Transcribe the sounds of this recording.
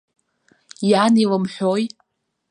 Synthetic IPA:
janilɨmħʷᶣoj

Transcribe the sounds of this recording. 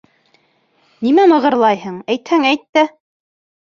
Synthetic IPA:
nimæmɤ̆ʁɤ̆ɾlˠɑjɦɤɴæjt̪hæŋæjt̪ːɘ

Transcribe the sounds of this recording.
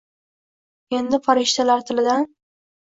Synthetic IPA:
e̞nd̪ɪfaɾɪʃt̪ʰalaɾt̪ʰɪlɪd̪an

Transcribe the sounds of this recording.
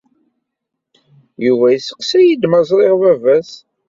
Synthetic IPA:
juvæjisə̥qsæjid̪mɑzˤɾˤeʁvævæs

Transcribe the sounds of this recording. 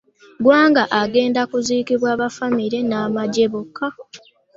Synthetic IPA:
ɡwaːŋɡaʔaɡe̞ːndakuziːkiβwaːβafamiɾe̞naːmaɟe̞βukʰːa

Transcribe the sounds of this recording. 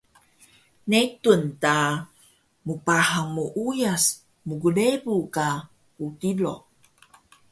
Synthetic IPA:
netunta | mupaɦaŋmuʔujas | muɡulebuka | utilo

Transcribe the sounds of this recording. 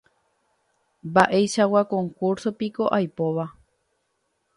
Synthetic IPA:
baʔe̞jʃawakõ̞ŋkuɾsopiko̞ʔajpo̞ʋa

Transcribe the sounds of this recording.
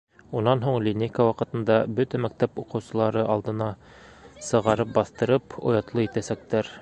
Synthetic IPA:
unɑnɦuɴlʲinʲejkawɑqɤ̆t̪ɤ̆nd̪ɑbɵt̪æmæk̚t̪æpuqɤ̆wsɤ̆lˠɑɾɤʔɑlˠd̪ɤ̆nɑ | sɤ̆ʁɑɾɤp̚bɑθt̪ɤ̆ɾɤpŏ̰jɑt̪lˠɤit̪æsæk̚t̪æɾ

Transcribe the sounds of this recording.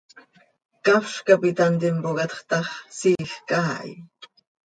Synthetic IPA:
kafʃkapit̪ant̪impoɣɑt̪χt̪ɑχsiːxkaːj̰

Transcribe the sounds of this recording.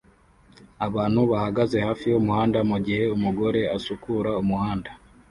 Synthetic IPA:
aβaːnhuβahaɡaze̞haːfijomuhaːndamuɟihe̞umuɡo̞ɾe̞asukuɾaumuhaːnda

